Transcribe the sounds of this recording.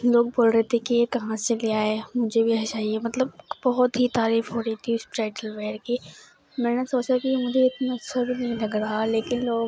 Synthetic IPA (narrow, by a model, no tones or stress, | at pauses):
loːk̚boːlɾeɦt̪ʰekekɐɦãɐliaːɦemʊ̃ɦɪ̃ɲd͡ʑebɪɐɦet͡ɕaːɦiemɐt̪ləb̚bɐɦʊt̪it̪aːɾiːfɦoːɾit̪ʰiɪsɾaːɪʈəlʋeːɾkʰeː | mɛ̃ːɽ̃əsoːt͡ɕd̪akimʊ̃ːd͡ʑeɪt̪nɐsʰɐbinɐ̃ĩlɐɡəɽaaleːkɪnloːɡ